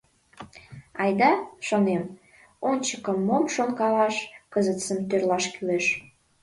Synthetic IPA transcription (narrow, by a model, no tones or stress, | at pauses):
ɑjd̪ɑʃonem | onʲt͡ɕəkəmːomʃonkɑlɑʃkəzət̪səmt̪ørlɑʃkyleʃ